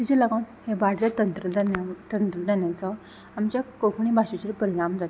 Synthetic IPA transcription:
t̪it͡ɕelaɡãt̪hebaɽlat̪ənt̪ɾəd̪nat̪ənt̪ɾəd̪anjat͡sɔ | amt͡ɕjakokʰɳibʱaɕet͡ɕeɾpəɾiɽ̃amd͡zat̪

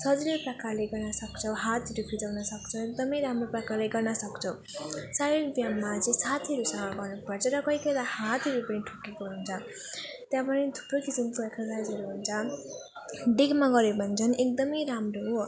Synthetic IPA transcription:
sʌd͡zileprʌkʰaleɡʌrnʌsʌkt͡sʰʌɦat̪ʰʌɾupʰid͡zawnʌsʌkt͡sʰʌek̚d̪ʌmʌjɾamroprʌkʰalajɡʌrnʌsʌkt͡sʰʌw | saɾibjamːat͡sĩsat̪ʰiɦʌɾusʌŋʌɡʌrnupʌɾt͡sʰʌɾʌkʌjkʌjd̪ahat̪ʌɾupʌɽ̃iʈʰukːekoɦunt͡sʰʌ | t̪jãpʌnet̪ʰu̥prokisimpueksʌsajd͡zɦʌɾuɦunt͡sʰʌ | ɖikmaɡʌɾebʱʌnt͡sʰʌnʔek̚d̪ʌmʌjɾamroɦo

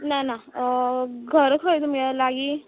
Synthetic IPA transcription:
nana | ɡʱəɾkʰəjt̪umɡalaɡi

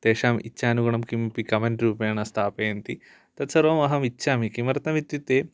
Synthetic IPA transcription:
t̪eːʂaːmitːʃʰaːnuɡɐɳɐmkimpikɐmɐɳʈɾuːpɐjɐɳɐst̪ʰaːpɐjɐnt̪i | t̪ɐt̪sɐɾʋɐmɐɦɐmitːʃʰaːmikimɐɾɐt̪ɐʋit̪ːjit̪eː

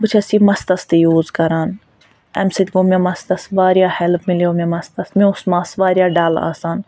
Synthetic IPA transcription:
bɨt͡ʃʰɐsiːmɐst̪ɐst̪ejuːzkɐɾaːn | ɛ̰msit̪ʲɡoːmẽmɐst̪ɐsʋaːɾijaːhɛlpʰmɪljoːmẽmɐst̪ɐsmẽʊsmaːsʋaːɾijaːɖaːla̰ːsaːn

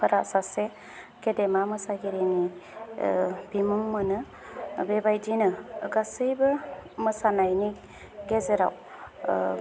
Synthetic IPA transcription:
pʰəɾaʔsase | kedemamɯsaɡeɾeni | bimumːɯnɯ | bebajd͡ʒinɯɡasɯjbɯmɯsanajnik | ɡezeɾa̰w

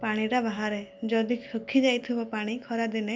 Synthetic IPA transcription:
paɽ̃iɾabaɦaɾed͡ʒɔd̪isʰukʰːid͡ʒajt̪ʰibɔpaɽ̃ikʰɔɾad̪ine

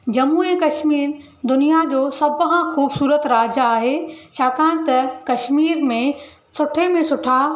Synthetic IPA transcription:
d͡ʑɐmuːẽkɐʃmiːɾ | d̪ʊnijad͡ʑoːsɐbɦãxuːbsuːɾət̪ɾaːd͡ʑaaːɦeʃaːkãːɽ̃t̪ɐkɐʃmiːɾmẽ | sʊʈʰemẽsʊʈʰa

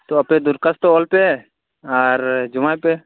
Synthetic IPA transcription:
t̪oɐpnẽd̪ʊɾkəst̪oːlpe | aɾd͡ʒʊmajpe

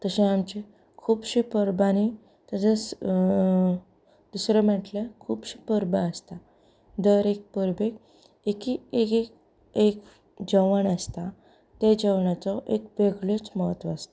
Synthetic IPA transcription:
t̪əsẽamt͡ɕe | kʰuːbɕipəɾbani | t̪ad͡zəs | d̪̥usɾemə̃ʈləkʰuːbɕipəɾbəəst̪a | d̪əɾek̚pəɾbek | ekiekk | ek | d͡ʑəʋəɳəst̪a | t̪ed͡ʑəʋɳat͡sɔʔekʋeɡɭot͡sməɦət̪ʋaːst̪a

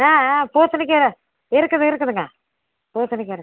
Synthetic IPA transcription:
aːpoːsɐnɪk̬ːeɾɯ | ɪɾɯkːɐðɯɪɾɯkːɐðɯŋɡɐ | poːsɐnɪk̬ːeɾɯ

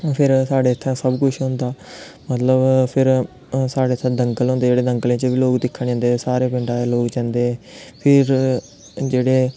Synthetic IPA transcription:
pʰɪɾsaːɖeːt̪ʰːãːsəbkʊʃʰɦʊ̃nd̪aːmət̪ləbpʰɪɾ | saːɖeːt̪ʰːãːd̪əŋɡəlɦõːnd̪eːd͡ʒeːɽeːd̪əŋɡəlẽːt͡ʃəʋiːloːkd̪ɪkʰːəɳd͡ʒɛ̃ːnd̪esaːɾeːpɪ̃ɳɖaːɛːloːkt͡ʃɛ̃ːnd̪eːpʰɪɾ | d͡ʒeːɽeː

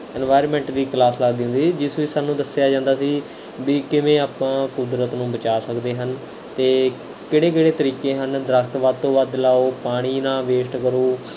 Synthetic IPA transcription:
ɛnʋaːjɾmɛ̃ːɳʈd̪iːklaːsləɡd̪iːɦʊ̃nd̪iːiːd͡ʒɪsʋiːsaːnũːd̪əsɪjaːd͡ʒãːnd̪aːsiː | biːkɪʋẽːaːpãːkʊd̪ɾət̪nũːbət͡ʃaːsəkd̪eːɦən | t̪eː | keːɽeːk̬eːɽeːt̪əɾiːkeːɦənd̪ɾəkʰt̪ʋaːd̪̚t̪õːʋaːd̪laːoːpaːɽ̃iːnãːʋeːsʈkəɾoː

